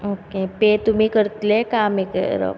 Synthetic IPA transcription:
oːkepeːt̪um̤ĩkəɾt̪lekaːmekə̰ɾo̰

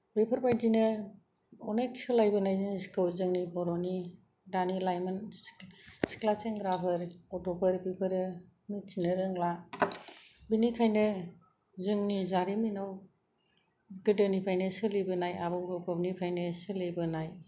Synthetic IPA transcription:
bepʰɯɾbajdinɯ | ɔneksɯlajbɯnajzɯniskɯwzɯŋnibɔɾɔni | danilajman | si̥klat͡ʃeŋɡɾabʰɯɾɔtɔpɯɾbipʰɯɾɯ | mitinɯɾɯŋla | binikʰajnɯ | zɯŋnizaɾiminaw | ɡɯdɯnipʰajnɯsɯlibɯnajabɯɡɯpɯbnipʰajnɯsɯlibɯnaj

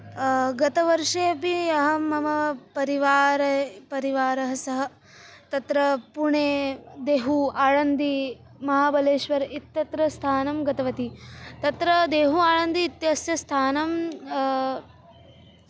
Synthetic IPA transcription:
ɡɐt̪ɐʋɐɾʂeːɐpiɐɦɐ̆mɐmɐpɐɾiʋaːɾɐpɐɾiʋaːɾɐɦɐsɐɦɐ̆ | t̪ɐt̪ɾɐpuɳeːd̪eːɦuaːɻɐnd̪i | mɐɦaːbɐleːʃʋɐɾit̪ːɐt̪ɾɐst̪ʰaːnɐmɡɐt̪ɐʋɐt̪it̪ɐt̪ɾɐd̪eːɦuaːɻɐnd̪iːt̪jɐsjɐst̪ʰaːnɐm

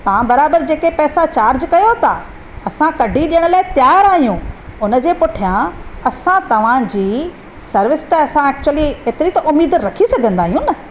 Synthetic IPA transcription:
t̪ɐʋ̤ãbɐɾaːbəɾd͡ʑeːkepɛːsat͡ɕaːɾd͡ʑkɐjot̪a | ɐsãkɐɖʱiɗijəɽ̃laːɪt̪jaːɾaːɦijũʊnə̆d͡ʑeːpʊʈʰijãɐsãt̪ɐʋ̤ãd͡ʑiː | sɐɾʋɪst̪ɐɐsãɛːk̚t͡ɕʊəliɦeːt̪ɪɾit̪ɐʔʊmiːd̪ɾɐkʰisɐɡʱə̃nd̪aːɦijũnɐ

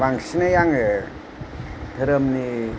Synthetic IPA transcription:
baŋsinajaŋ | tʰɯɾəmni

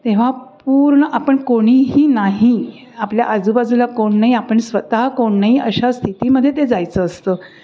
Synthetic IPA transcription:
t̪ẽʋ̤apuːɾɳəʔapəɳkoɽ̃iːɦiːnaɦi | aplja̰ʔəd͡zubad͡zulakoɳːaɦiapəɳsʋət̪aɦkoɳːaɦiʔəɕast̪ʰit̪iːməd̪ʱːjet̪̬ed͡zajt͡səːst̪əː

